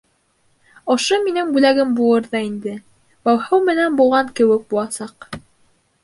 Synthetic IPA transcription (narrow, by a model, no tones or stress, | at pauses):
ŏʃominɘŋbʉlæɡɘmbulˠɤɾðɑind̪ɘ | bæwhɤwmɘ̆nænbulˠʁɑŋkɘ̆wɘk̚bulˠɑsɑq